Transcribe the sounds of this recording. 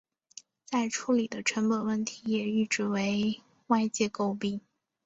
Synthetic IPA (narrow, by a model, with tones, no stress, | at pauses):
t͡sa˥˩ɪʈ͡ʂʰu˧˥li˨˩d̪ə˦ʈ͡ʂʰwə˧˥npə˨˩nwə˥˩nt̪ʰi˧˥jɛ˨˩y˥˩ʈ͡ʂɻ̩˥˩we˧˥ɪ | wa˥˧ɪt͡ɕjɛ˥˧ko˥˧ʊpi˥ŋ